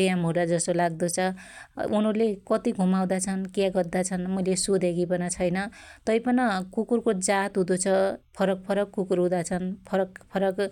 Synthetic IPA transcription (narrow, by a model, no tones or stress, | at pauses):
jamɦud̪ad͡zʌsolaɡd̪ut͡sʰʌ | unʌrlekʌt̪iɡʱumaw̃d̪at͡sʰʌnkjaɡʌrd̪at͡sʰʌnmʌjlesud̪ʱeɡipʌnʌt͡sʰʌjnʌt̪ʌjpʌnʌkukurkod͡zat̪ɦũd̪ut͡sʰʌpʰʌɾʌk̚pʰʌɾʌkːukuɾɦud̪at͡sʰʌnpʰʌɾʌkpʰʌɾʌk